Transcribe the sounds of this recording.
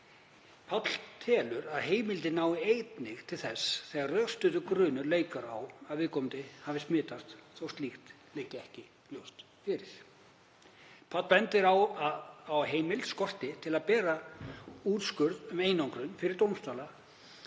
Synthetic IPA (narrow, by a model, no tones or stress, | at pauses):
pʰat̪l̥t̪ʰɛːlʏɾaðɦeːjmɪlt̪ɪnaːwɪejt̪nɪɣt̪ʰɪlθɛsθɛːɣaɾrœst̪ʏðʏkɾʏːnʏɾleːjkaɾawaðvɪðkɔwmt̪ɪhavɪsmɪːt̪ast̪θowst̪lixt̪ | lɪcɪɛhcɪ | ljowst̪ | fɪɾɪɾ̥ | pʰat̪lpɛnt̪ɪɾawawɦeːjmɪlskɔr̥t̪ɪt̪ʰɪlaðpɛːɾa | uːt̪skʏɾðʏmeːjnawŋkɾʏnfɪɾɪɾt̪owmst̪aːla